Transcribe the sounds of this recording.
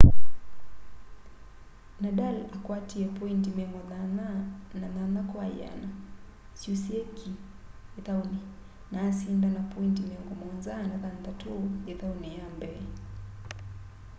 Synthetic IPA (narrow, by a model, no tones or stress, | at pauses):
naɗalakwatiɛpɔintimɛŋɡɔnananananakwaja̰na | susiɛkʰi | ɛt̪awni | naːsindanapɔintimɛŋɡɔmɔnzanaðant̪atʰujɛt̪aunijambɛi